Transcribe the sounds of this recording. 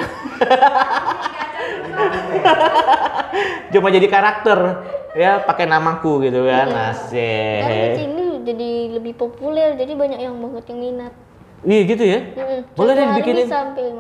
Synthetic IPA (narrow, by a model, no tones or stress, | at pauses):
d͡ʒumad͡ʒadikaɾak̚t̪ərjapakenamakuɡit̪uɡanasɛainid͡ʒadiləbɪhpopulɛrd͡ʒadibaɲak̚jaŋbaŋət̪̚jaŋminat̪̚ | ijaɡit̪̬ujam̩bolɛhdiibikɪinɪnsampɛ